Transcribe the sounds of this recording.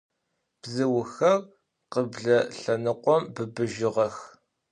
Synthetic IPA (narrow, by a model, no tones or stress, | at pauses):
b̥zɨwʊxɐr | qəbɮɐɬɐnɨqʷɔmbɨbɨʒɪʁɐx